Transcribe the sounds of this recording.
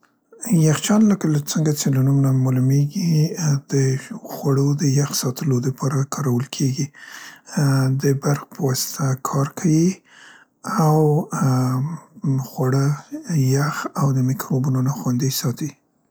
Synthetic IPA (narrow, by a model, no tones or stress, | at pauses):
jaxt͡ʃɑnləkaləkt͡səŋɡat͡ʃelanumnamalɪmeɡid̪̥əxwaɽod̪əjaxsɑt̪ʰəlod̪əpʰɑɾakʰɑɾawəlkʰeɡi | d̪əbaɾxpəwɑsɪ̥t̪ʰakʰɑɾkʰawi | aw | xwaɽəjaxawd̪əmɪkɾobunonaxwand̪isɑt̪i